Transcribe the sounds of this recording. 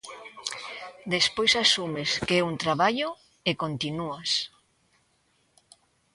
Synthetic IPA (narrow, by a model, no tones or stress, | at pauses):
d̪espojsasumeskeɛunt̪ɾaβaʎo | ekont̪inuas